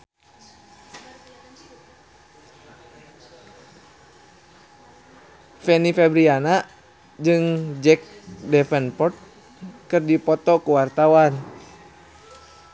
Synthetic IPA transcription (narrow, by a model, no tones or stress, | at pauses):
fɛnifɛbɾiana | d͡ʒɨŋd͡ʒɛk̚dɛfɛnpɔt̪̚ | kɨrdipɔt̪ɔkuwart̪awan